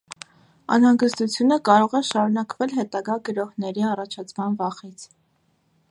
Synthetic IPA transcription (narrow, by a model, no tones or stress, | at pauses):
ɑ̰nhɑŋɡəst̪ut͡sʰjunəkɑɾɔʁɛʃɑɾunɑkvɛlɦɛt̪ɑɡɑɡəɾɔhnɛɾiɑrɑt͡ʃʰɑt͡sʰmɑnvɑχit͡sʰ